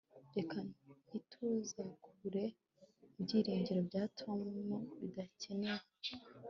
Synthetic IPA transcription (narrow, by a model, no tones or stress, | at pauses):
ɾe̞kanitʰuːzakʰuβuɾe̞ | ibɟiːɾiːɲɟiɾo̞bɟaːtuoammuβidace̞neɾa